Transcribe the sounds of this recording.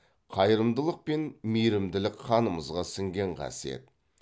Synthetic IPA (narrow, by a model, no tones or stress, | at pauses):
qʰɑjəɾəmd̪əlˠəq̚pe̞nmijɾɪmd̪ɪlɪkqʰχʰɑnəməzʁɑsɪŋɡʲe̞ɴqʰɑ̰siḛt̪̚